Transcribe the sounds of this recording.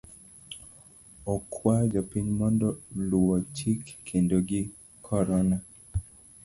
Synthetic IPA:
ɔkʰwad͡ʒɔpiɲmɔndɔlʊwɔt͡ʃikːʰendoɡɪ | kʰɔɾɔna

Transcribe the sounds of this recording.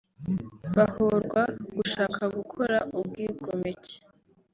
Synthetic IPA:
βahoɾɡwaɡ̥uʃaːkʰaɡukʰo̞ɾaʔubɡiːɡomece̥

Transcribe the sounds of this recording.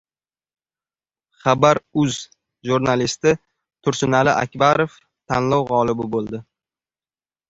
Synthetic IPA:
χabaɾʊz | ʒuɾnalist̪ɪ | t̪ʰʊɾsʊnalɪʔa̰kʲbaɾof | t̪ʰanlɒwʁɒlˠɪbɪbolˠd̪ɪ

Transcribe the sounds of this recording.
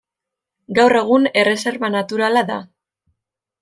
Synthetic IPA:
ɡawre̞ɣ̞une̞re̞se̞ɾβanat̪uɾalaða̰

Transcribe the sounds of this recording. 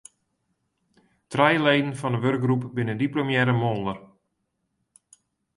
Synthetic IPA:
trɛjlejdn̩fɔndəʋørɡ̚ɡrupbɪnəndiplomjɛɾəmolˠdər

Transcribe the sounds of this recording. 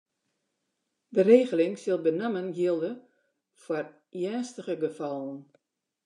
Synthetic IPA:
dəreːɣəlɪŋsɪlˠbənɛmənjiəlˠdə | fwar | jɛːstəɣəɡəfɔlˠən

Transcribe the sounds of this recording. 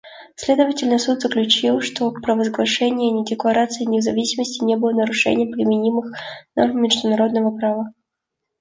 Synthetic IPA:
sʲlʲe̞d̪əvətʲɪlʲnəsut̪zəklʲʉt͡ɕilˠʂt̪o̞pɾəvəzɡlˠɐʂɛnʲɪjənʲɪdʲɪklˠɐɾat̪sɨɪnʲɪvzɐvʲisʲɪməsʲtʲɪnʲebɨlˠənəɾʊʂɛ̰nʲɪjəpɾʲɪmʲɪnʲimɨxnɐvmʲɪʐd̪ʊnɐɾo̞d̪̚nəvəpɾavə

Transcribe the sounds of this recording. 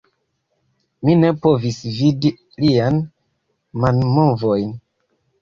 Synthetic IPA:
mine̞po̞visvidi | lian | manmovojn

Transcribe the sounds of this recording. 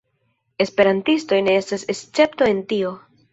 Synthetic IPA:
e̞spe̞ɾantisto̞jne̞estase̞st͡se̞pto̞e̞ntio̞

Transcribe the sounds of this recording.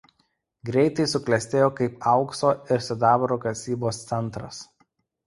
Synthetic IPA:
ɡɾʲɛɪt̪ɐɪsʊklʲɛsʲt̪ʲeːjoːkɐɪpɐʊksoːɪɾsʲʊd̪ɑːbɾoːkɐsʲiːboːst̪sʲɛnˑt̪ɾɐs

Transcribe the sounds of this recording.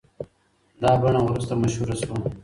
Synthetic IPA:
d̪ɑːbɐɳawɾust̪amɐʃhuɾaswa

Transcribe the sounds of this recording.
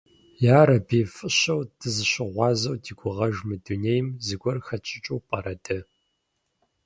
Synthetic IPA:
jaːɾɐbiːfʼɨɕɐwdʰɨzɨɕɪʁʷɑːzɐwdiːɡʷʊʁɐʒmɨduneːjmzɨɡʷɔrxɐt͡ʃʼɪt͡ʃʼuwpʼɐɾɐdɐ

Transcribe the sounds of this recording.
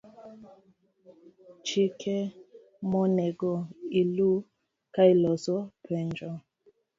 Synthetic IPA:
t͡ʃikʰɛ | mɔnɛɡɔilu | kailɔsɔpʰɛnd͡ʒɔ

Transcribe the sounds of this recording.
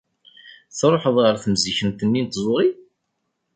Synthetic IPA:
θɾˤoħəðˤʁəɾθəmziçənt̪ənːint̪zˤoɾi

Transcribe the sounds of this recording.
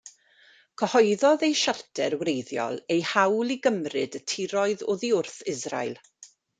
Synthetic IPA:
kʰəhɔɨðɔðejʃartʰɛrwrejðjɔ̰lˠejhawlˠiɡəmrɨdətʰɪɾɔɨðʊðiʊrθɪzra̰jlˠ

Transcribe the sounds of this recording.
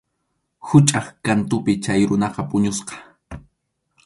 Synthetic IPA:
hʊt͡ʃʼɑχkant̪ʊpɪt͡ʃajɾʊnɑqɑpʼʊɲʊsqɑ̥

